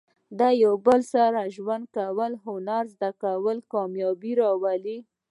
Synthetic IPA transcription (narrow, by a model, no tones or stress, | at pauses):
d̪ajawbəlsaɾaʒwand̪̚kawəlɦʊnaɾzd̪akawəlkɑmjɑbiɾɑwali